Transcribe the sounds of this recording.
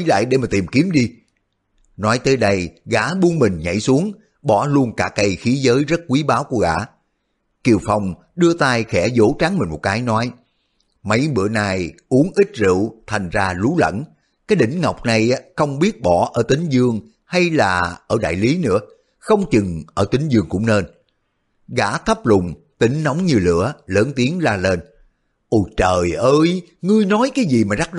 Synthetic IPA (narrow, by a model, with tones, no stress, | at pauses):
jla̰ː˧˨jɗe˧˩maː˨˩t̪i˨˩mki˨˦əmɗi˧ | nɔ˨˦jt̪əː˨˦jɗə˧jɣaː˧˩˦ɓu˧ənmï˨˩ŋ̟ɲə̰˧˨jsu˨˦əŋ | ɓɔ˧˩lu˧ənkaː˧˥kːə˧jxi˨˦zəː˨˦jzə˦˥t̚kwi˨˦ɓaː˨˦wku˧˩əɣa̰ː˧˦ | ki˨˩əwfa˨˩wŋ͡m | ɗɨ˧ət̪aː˧jxɛ˧˩zo̰˧˥t͡ɕaː˨˦ŋmï˨˩ŋ̟mo˨˩t̚kaː˨˦jnɔ˨˦j | mə˨˦jɓɨ̰˧˨ənaː˨˩jʔu˨˦əŋʔï˦˥t̟̚zɨ̰˧˨wt̪ʰa˨˩jŋ̟zaː˧lu˨˦lə̰˧˥n | kaː˨˦jɗï˧˩ŋ̟ŋa˨˩wk͡p̚na˨˩jxə˧wŋ͡mɓi˦˥ət̚ɓɔ˧˩ʔəː˧˩t̪ï˨˦ŋ̟zɨ˧əŋ | ha˧jlaː˨˩ʔəː˧˩ɗa̰ː˧˨jli˨˦nɨ̰˧˥ə | xə˧wŋ͡mt͡ɕɨ˨˩ŋʔəː˧˩t̪ï˨˦ŋ̟zɨ˧əŋkʊ̰˧˥ŋ͡mne˧n | ɣa̰ː˧˥t̪ʰə˦˥p̚lʊ˨˩ŋ͡m | t̪ï˨˦ŋ̟nɔ˨˦wŋ͡mɲɨ˧lɨ̰˧˩ələː˨˦nt̪i˨˦əŋzaː˧le˧n | ʔo˧˨˩jt͡ɕəː˨˩jʔəː˧j | ŋɨ˧əjnɔ˨˦jkaː˨˦jzi˨˩maː˨˩za˦˥t̚